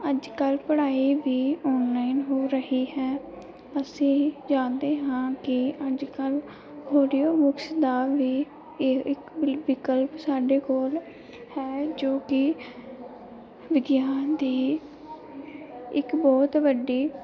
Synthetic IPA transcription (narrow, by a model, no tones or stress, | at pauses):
əd͡ʒkəlpəɽaːiːʋiːɔːnlaːinɦoːɾəhiːɦɛː | əsĩːd͡ʒãːnd̪eːɦãːkɪəd͡ʒkəl | ɦoːɖijoːbʊksd̪aːʋiː | ɪkʋɪkəlpsaːɖeːkoːl | hɛːd͡ʒoːkɪ | ʋɪd̪jaːnd̪iː | ɪkbɔːt̪ʋəɖiː